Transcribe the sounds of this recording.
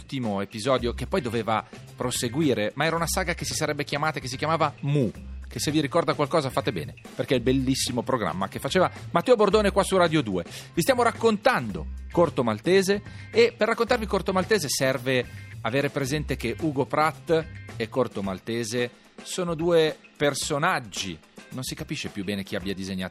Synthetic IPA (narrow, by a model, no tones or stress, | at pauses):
ult̪imoepizɔːd̪jokepːɔjd̪oveːva̰ | pɾoseɡwiːɾemaɛːɾaunasaːɡakesisaɾɛbːekjamaːt̪aekes̬ikjamaːvamuk̟esevːiɾikɔrd̪akwalkɔːzafat̪ebɛ̰ːneperkeilbelːisːimopɾoɡɾa̰mːa̰kefːat͡ʃeːvamat̪ːɛːobord̪oːnekwasuraːd̪jod̪uːevist̪jamoɾakːont̪and̪o̰kort̪omalt̪eːzeːperːakːont̪arvikort̪omalt̪eːzesɛrveaveːɾepɾezɛnt̪ekeʔuːɡopɾat̪ːɛkːort̪omalt̪eːze | soːnod̪uːepersonad͡ʒːḭ | nonsikapiʃːepjubɛːnek̟iabːjad̪izeɲːa̰ː